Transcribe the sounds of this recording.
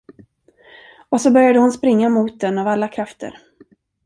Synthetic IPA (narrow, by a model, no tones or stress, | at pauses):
ɔsɔbœɾjad̪əhʊnspɾɪŋːamuːt̪̚d̪ɛnavalːakʰɾaft̪ʰə̰ɾ